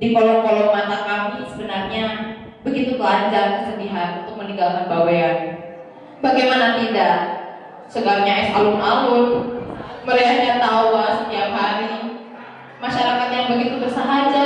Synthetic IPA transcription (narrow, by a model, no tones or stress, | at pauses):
dikolɔŋkolɔŋanakamisəbənarɲa | bəɡit̪ubəlaɲd͡ʒaŋkəsəndiɦat̪̚unt̪ʊk̚məniŋɡalkanbawean | baɡajmanat̪idaʔ | səɡak̚ɲaɛsalʊnʔaʊn | məɾasaɲat̪auasət̪iap̚ɦaɾi | maʃaɾakat̪̚jaŋbəɡit̪ubərsəɦad͡ʒa